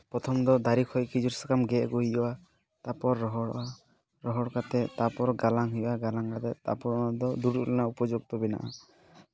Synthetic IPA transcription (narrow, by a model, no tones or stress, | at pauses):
pɾɔt̪ʰɔmd̪ɔd̪aɾikʰɔjkid͡ʒuɾsḁkamɡɛʔɡuɦid͡ʒɔwa | t̪apɔɾːɔɦɔɽɔʔa | ɾɔɦɔɽkat̪ɛt̪apɔɾɡalaŋɦijaɡalaŋkat̪ɛt̪a̰pɔɾd̪ɔd̪uɽulɔnaupɔd͡ʒuɡ̚t̪ɔbina̰ʔa